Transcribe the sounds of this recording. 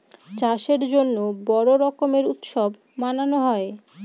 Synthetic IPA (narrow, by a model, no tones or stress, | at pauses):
t͡ɕaʃeɾd͡ʑonːobɔɾoɾɔkomeɾut̪ʃob | mananoɦɔe